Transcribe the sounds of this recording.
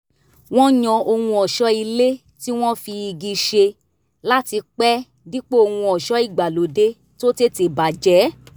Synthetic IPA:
w̃ɔ̃˦ɲɔ̃˧o˧hũ˧ɔ˨ʃɔ˦i˧le˦ | ti˦w̃ɔ̃˦fi˧i˧ɡi˧ʃe˧ | la˦ti˧k͡pɛ˦ | di˦k͡pe˦o˧hũ˧ɔ˨ʃɔ˦i˦˨ɡ͡ba˨lo˨de˦ | to˦te˦te˨ba˨d͡ʒɛ˨˦

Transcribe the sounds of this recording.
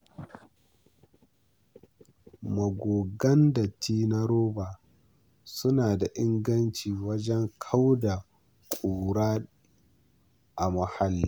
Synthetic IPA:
mɐ˨ɡʷoː˨ɡɐ˦ndɐ˨tːiː˦na˦ɾoː˦baː˨ | sʊ˦naː˨da˨ʔɪ˦ŋɡɐ˦nt͡ʃiː˨wɐ˦d͡ʒɛ˦ŋkʰa˦wda˨ | kʷʼuː˨ɾaː˦ | ʔa˨mɐ˨ha˦lːiː˦

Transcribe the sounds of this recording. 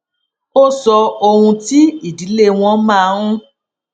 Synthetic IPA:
o˦sɔ˧o˧hũ˧ti˦i˦˨di˨˦le˦˨w̃ɔ̃˧˦mãː˦˨˧ɾ̃ũ˦

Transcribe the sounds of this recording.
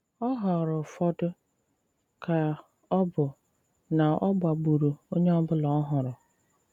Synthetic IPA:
ɔ˦ɦɔ˨ɾʊ˨fɔ˦dʊ˦ | kʰa˨ | ɔ˦bʊ˨ | nã˨ʔɔ˦bʊ˨a˨bu˨ɾu˨o˦ɲe˦ɔ˦bʊ˦lɔ˨ɔ˦ɦʊ˨ɾʊ˨

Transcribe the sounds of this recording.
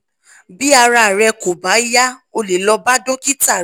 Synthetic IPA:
bi˦a˧ɾa˧˨ɾɛ˧ko˨ba˨˦i˦ja˦o˧le˨lɔ˧ba˦dõ˦ki˦ta˦˨

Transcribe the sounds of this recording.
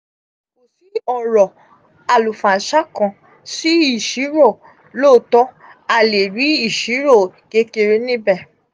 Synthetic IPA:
mo˨si˨˦ɔ˦˨ɾɔ˨ | a˨lu˨fã˨ʃa˦kã˧ | si˦i˦˨ʃi˨˦ɾo˦˨ | loː˦˨tɔ˦ | a˧˨le˨ɾi˨˦i˦˨ʃi˨˦ɾo˦˨ɡe˦ke˧ɾe˧nĩ˦bɛ˦˨

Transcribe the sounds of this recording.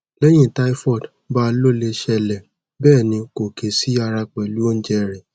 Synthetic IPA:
lɛ˦j̃ĩ˦˨ta˧˦i˦fɔ˦˨d | ba˦˧lo˦˨le˧ʃɛ˧lɛ˨ | bɛː˦˨nĩ˧ko˨ke˨si˨˦a˧ɾa˧k͡pɛ˨lu˦o˦n̩˦d͡ʒɛ˧ɾɛ˨

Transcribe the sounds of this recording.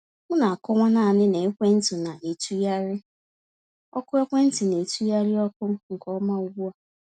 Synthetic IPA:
ŋʊ˦na˨a˨kɔ˦ŋʷa˦naː˦˨nɪ˦ne˨e˦kʷe˦n̩˦tʊ˨na˨ʔe˨tu˦ja˦ɾɪ˦ | ɔ˦kʊ˦e˦kʷe˦n̩˦ti˨ne˨tu˦ja˦ɾɪ˦ɔ˦kʊ˦ŋ̩˨kɔ˦ma˦u˨ɡʷu˦a˨

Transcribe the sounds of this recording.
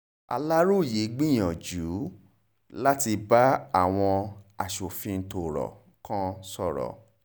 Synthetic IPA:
a̰˧la˦ɾo˦˨je˨˦ɡ͡bĩ˦j̃ã˨d͡ʒu˨˦ | la˦ti˧ba˦a˦˨w̃ɔ̃˧a˨ʃo˨fĩ˧n̩˨to˨ɾɔ̰˨ | kã˦sɔ˦˨ɾɔ̰˨

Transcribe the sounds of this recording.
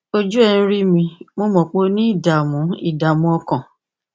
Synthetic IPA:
o˧d͡ʒu˦ɛ̃˧˦ɾi˦mĩ˧mo˦mɔ̃˨k͡po˦nĩ˦i˦˨da˨mũ˨˦i˦˨da˨mũ˨˦ɔ˧kã˨

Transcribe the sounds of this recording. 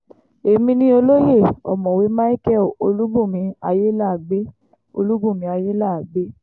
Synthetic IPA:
e˨mĩ˧nĩ˧o˧lo˦je˦˨ɔ̰˨mɔ̃˨we˨˦mã˦i˦kɛ˦˨o˧lu˦bũ˦˨mĩ˧˦a˧je˦la˦˨ɡ͡be˦ | o̰˧lu˦bũ˦˨mĩ˧˦a˧je˦la˦˨ɡ͡be˦

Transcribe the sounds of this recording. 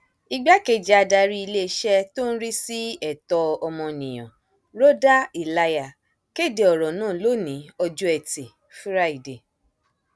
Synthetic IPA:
i˧ɡ͡ba˦ke˧˨d͡ʒɛ˦a˧da˧ɾi˦i˧le˦˧ʃɛ˦to˦n̩˦ɾi˦si˦ɛ˦˨tɔ˧ɔ˧mɔ̃˧nĩ˨j̃ɔ̰̃˨ | ɾo˦da˦i˨la˧ja˨ | ke˦˨de˨ɔ˨ɾɔ˨nãː˦˨˦lo˦nĩ˨˦ɔ˧d͡ʒu˦ɛ˨te˨ | fu˦ɾa˦i˨de˨

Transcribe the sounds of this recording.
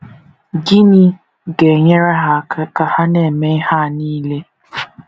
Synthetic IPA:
ɡi˦ni˦ | ɡe˨ɲe˦ɾa˦ɦa˦ka˨ha˦ne˦˨me˦ha˦˨niː˦le˦

